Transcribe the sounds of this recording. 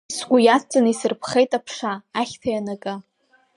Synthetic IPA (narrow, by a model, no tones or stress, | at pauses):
sɡʷujast͡sʼanisɨrpʰχejtʼapʰʂaːχʲtʰajanakʼa